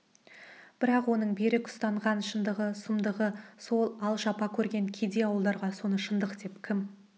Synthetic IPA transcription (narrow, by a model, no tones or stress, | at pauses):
b̥ɪɾɑqwo̞nəɴbeɾɪkʰʊ̥st̪ɑɴʁɑnʃənd̪əʁəsʊmd̪əʁəso̞lˠɑlˠʃɑpɑkʲʰɵɾɡʲe̞ŋkʲʰed̪e̞ɑwəlˠd̪ɑɾʁɑso̞nəʃənd̪əqd̪e̞pkʲʰɪm